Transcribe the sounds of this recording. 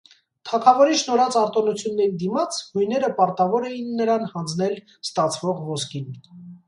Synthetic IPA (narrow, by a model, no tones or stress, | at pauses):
t̪ʰɑkʰɑvɔɾiʃnɔɾɑt͡sɑɾt̪ɔnut͡sʰjunːɛɾid̪imɑt͡sʰhujnɛɾəpɑɾt̪ɑvɔɾɛjinːəɾɑnhɑnd͡zn̪ɛl | st̪ɑt͡sʰvɔʁvɔskin